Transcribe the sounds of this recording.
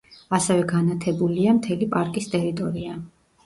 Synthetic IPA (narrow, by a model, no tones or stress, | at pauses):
asɛvɛɡanat̪ʰɛbuliamt̪ʰɛlipʼaɾkʼist̪ʼɛɾit̪ʼɔɾia